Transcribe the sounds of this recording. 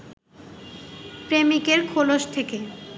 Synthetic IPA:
pɾemikeɾkʰoloʃt̪ʰeke

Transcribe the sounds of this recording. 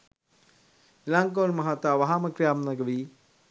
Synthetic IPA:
ilaŋk̬onmɐɦat̪aːʋaɦaməkɾijaːmnɐɡəʋiː

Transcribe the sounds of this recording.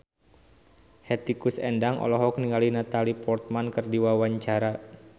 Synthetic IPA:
hɛt̪ikusɛ̰ndaŋʔɔ̰lɔɦɔk̚niŋalinat̪alipɔrt̪̚mankərdiwawaɲt͡ʃaɾa

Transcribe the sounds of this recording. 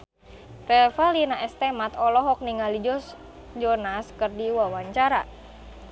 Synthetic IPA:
rɛlfalinaʔɛst̪ɛmat̪ɔlɔɦɔk̚niŋalid͡ʒɔs | d͡ʒɔnaskɨrdiwawaɲt͡ʃaɾa̰

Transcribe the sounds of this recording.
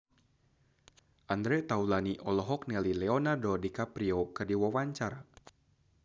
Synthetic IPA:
ʔand̪ɾɛt̪aulaniʔɔlɔɦɔk̚nɛlilɛonardodikapɾiokɨrdiwawaɲt͡ʃaɾa

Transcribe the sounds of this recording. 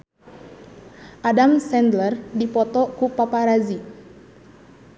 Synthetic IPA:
ʔadamsɛndlərdipɔt̪ɔkupapaɾazi

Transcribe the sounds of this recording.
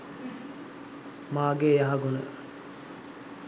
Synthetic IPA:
maːɡejaɦɐɡunə

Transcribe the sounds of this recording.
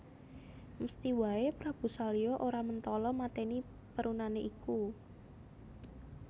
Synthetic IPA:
məst̪iwaepɾab̥ṳsaliɔʔoɾamənt̪ɔlɔmat̪eni | pəɾunaneʔiku

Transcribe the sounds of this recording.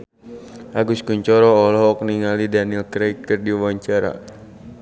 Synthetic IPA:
ʔaɡuskuɲt͡ʃɔɾɔɔlɔɦɔk̚niŋalidanilkɾakkərdiwawaɲt͡ʃaɾa̰

